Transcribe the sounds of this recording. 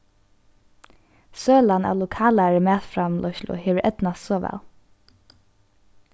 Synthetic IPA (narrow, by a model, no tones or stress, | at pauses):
søːlana̰lʊkʰaːlaɹɪmæːt̪fɾamlʔɔʃlʊ̰heːʋəɾʔɛt̪nast̪sɔːʋɛ̰l